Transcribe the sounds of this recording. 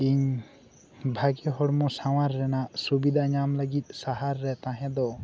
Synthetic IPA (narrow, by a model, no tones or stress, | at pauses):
iɲ | bʱaɡɛɦɔɽmɔsaw̃aɾːɛnaʔsubid̪ʱaɲamləɡit̪̚ˀsaɦaɾːɛt̪ãɦɛ̃d̪ɔ